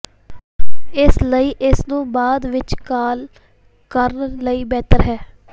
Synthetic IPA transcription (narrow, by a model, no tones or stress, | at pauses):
ɪsləiːʔɪsnũːbaːd̪ʋɪt͡ʃkaːl | kəɾnləiːbɛːt̪əɾɦɛː